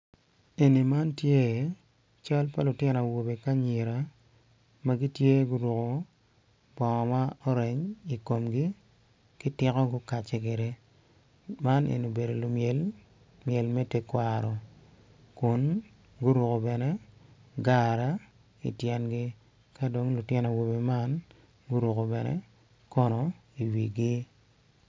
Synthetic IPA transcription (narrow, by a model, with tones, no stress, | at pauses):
e˨ni˨ma˦ntje˦˨ | t͡ʃa˦lpa˦lʊ˨tɪ˦n˨a˨wo˨be˨ka˦ɲe˨ɾa˨ | ma˦ɡi˦tje˦ɡʊ˦ɾwo˨ko˨ | bɔ˨ŋɔ˨ma˦ɔ˦ɾe˨ɲi˨ko˨mɡi˦ | kɪ˦tɪ˦kɔ˦ɡʊ˦ka˨t͡ʃe˨˦k̬e˨ɾe˦ | ma˦nḛ˨n˨o˨be˨do˨lʊ˨mje˨l | mje˨lmɛ˦te˦kwa˨ɾɔ˨ | kʊ˨n | ɡʊ˦ɾo˨ko˨bɛ˨nɛ˦ɡa˦ɾa˦ | ḭ˨tjɛ˨nɡɪ˦ | ka˦do˨ŋlu˨tjɛ˦nɔ˨wo˨be˨ma˦n | ɡu˦ɾo˨ko˨bɛ˨nɛ̰˦ | kɔ˦nɔ˨i˨wḭ˨ɡɪ˦